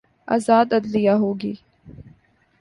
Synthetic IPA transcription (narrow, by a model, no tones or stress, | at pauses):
a̰ːzaːd̪ɐd̪lɪjaɦoːɡiː